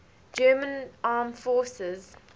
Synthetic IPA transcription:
d͡ʒɜːmə̃nʔɑːmfɔːsɪz

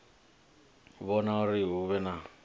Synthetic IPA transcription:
βɔnauriɦuβɛna

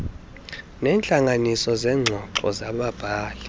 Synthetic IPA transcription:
nɛːnt͡ɬʼaŋanisɔzɛŋ͡ǀʱɔǃɔ̰zaɓab̥ʱaːlɛ

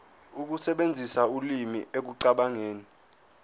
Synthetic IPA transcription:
uk̬usɛɓend͡zʱisaulimiek̬uǀaɓaŋeːni

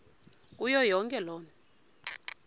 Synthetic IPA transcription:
k̬ʼujɔjɔŋkʼɛlɔːnɛ

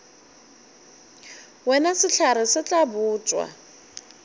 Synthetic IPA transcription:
wɛnasɪɬʰaɾɪsɪt͡ɬʼabuːt͡ʃʼwa̰

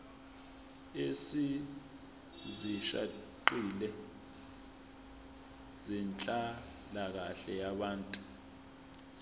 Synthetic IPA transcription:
esi | ziʃa̰ | ǃilɛ | zint͡ɬʼa | lak̬aɬɛjaɓaːntʼu

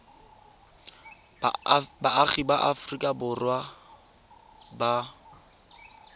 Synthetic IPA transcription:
baaχibaʔafʊrikʼabʊrwa | ba

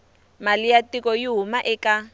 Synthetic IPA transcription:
malijatikɔjiɦumaʔɛka

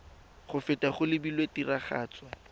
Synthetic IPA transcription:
χʊfɪtaχʊlɪbilwetiraχa̰ːt͡swa

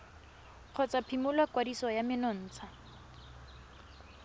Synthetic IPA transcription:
q͡χʰɔt͡sapʰimʊlwakwadisɔjamɪnɔn̩ːt͡sʰa

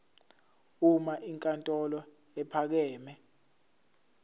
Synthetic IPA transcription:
umaʔiŋkʼantʼɔlɔ | ɛpʰak̬ɛːmɛ

